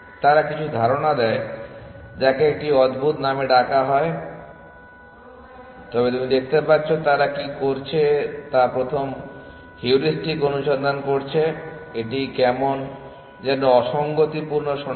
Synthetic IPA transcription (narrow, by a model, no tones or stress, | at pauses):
t̪aɾakit͡ɕʰud̪ʱaɾonad̪ɛe | d͡ʑakeek̚ʈiɔd̪bʱut̪nameɖakaɦɔe | t̪ɔbet̪umid̪ek̚t̪epatːɕʰot̪aɾakikoɾt͡ɕʰet̪apɾot̪ʰom | hiuɾisʈikonuʃond̪ʱankoɾt͡ɕʰeeʈikɛmon | d͡ʑenoɔʃɔŋɡot̪ipuɾnoʃɔ